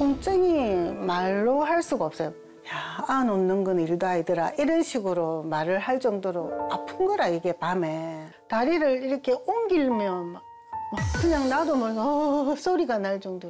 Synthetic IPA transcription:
kʰoŋt͡ɕ͈ʰeŋimaɭːohaɭs͈uɡaʌp̚s͈ʌjo | jaːnonnːɯnɡɯniɭdaidɯɾa̰ʔiɾʌnɕʰiɡɯɾomaɾɯɭɦaɭt͡ɕ͈ʌŋdoɾoapʰɯnɡʌɾaiɡe̞pame̞ | taɾiɾɯɾiɾʌkʰe̞oŋɡiɭmjʌn | ʌkɯɲaŋnadomʌɭʌsʰoɾiɡanaɭt͡ɕʌŋdoɾ

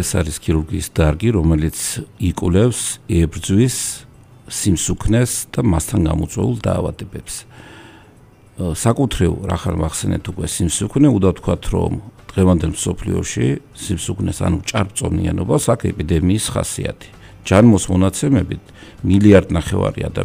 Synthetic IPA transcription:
ɛsaɾiskʰiɾuɾɡiːsd̪aɾɡiɾɔmɛlit̪sʰikʼlɛfsɛbɾd̪zwisː | imsukʰnɛsd̪̥amast̪ʰanɡa̰mɔt̪sʼwɛ̰ulˠd̪aːvad̪ɛbɛps | sakʼut̪ʰɾḭɾa̰χanvaχsɛnɛ̰t̪ʰukʼwɛsimsukʰnɛud̪aft̪ʰkʰat̪ʰɾɔ̰md̪̥ʁɛvand̪ɛlmsɔpʰlḭɔ̰ʃi | simsukʰnɛsa̰nut͡ʃʼaɾp̚ʼt̪sʼɔmnḭanɔbasakʰɛpʼid̪ɛmiːsχa̰siat̪ʰi̥ | d͡ʒanmɔsmɔnat̪sʰɛmɛbit̪ʰmiliaɾd̪naχɛva̰ɾia̰d̪a

